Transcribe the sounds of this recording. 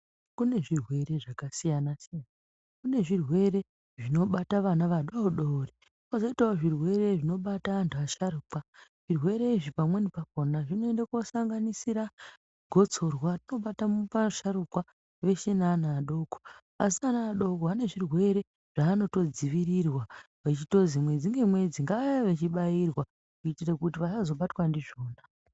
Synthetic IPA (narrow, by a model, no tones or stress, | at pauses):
kune̞ʐirwe̞ɾe̞ʐakasijanasijana | kune̞ʐirwe̞ɾe̞ | ʐino̞ɓataʋanaʋaɗoɗori | wazoitaoʐirwe̞re̞ʐino̞ɓataːntʰuaʃaɾuːkwaʐ̥irwe̞ɾe̞iʐipamwe̞nipak̚onaʐino̞endakosaŋɡanisiɾa | ɡʱo̞t͡so̞rwatino̞ɓatamupaʃaɾukwa | ʋe̞ʃenanaːɗo̞ːko | as̬ianaaɗo̞koɦane̞ʐirwe̞ɾe̞ | ʐ̥aːno̞to̞d͡ziʋirirwa | ʋat͡ʃito̞zimwe̞d͡ziŋɡe̞mwe̞d͡ziŋɡaʋajaʋet͡ʃiɓairwa | kuitirekutiʋaʃazo̞ɓatwandiʐo̞ːna